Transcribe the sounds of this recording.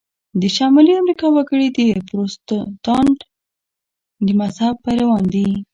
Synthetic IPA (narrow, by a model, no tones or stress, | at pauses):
d̪əʃɑmɑliamɾikɑwaɡəɽid̪əpɾostt̪ɑɳɖ | d̪əmazhab̚pajɾawɑnd̪i